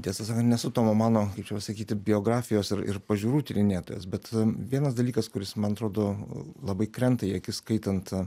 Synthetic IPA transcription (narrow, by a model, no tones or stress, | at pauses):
t̪ʲiɛsɐsɑːkɐnt̪nʲɛsʊt̪oːmomɑːnoːkɐɪpt͡ʃʲɛpɐsɐkʲiːt̪ʲɪbʲɪoːɡɾɑːfʲɪjoːsɪɾɪ̰ɾpɐʒʲuːɾuːt̪ʲɪɾʲɪnʲeːt̪oːjɛ̰sbʲɛt̪ʋʲiɛnɐs̬d̪ɐlʲiːkɐskʊɾʲɪsmɐnɐt̪ɾoːd̪oːlˠɐbɐɪkɾʲɛnt̪ɐjiɐkʲɪskɐɪt̪ɐnt̪